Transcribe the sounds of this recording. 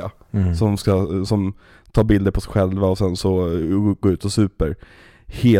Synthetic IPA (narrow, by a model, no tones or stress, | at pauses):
a | sɔmskasɔm | t̪ʰɑːbɪld̪əɾpʰɔsɛɧɛlvaɔsɛnsɔɡoːɾʉ̟ːt̪ɔsʉ̟ːpəɾ | heː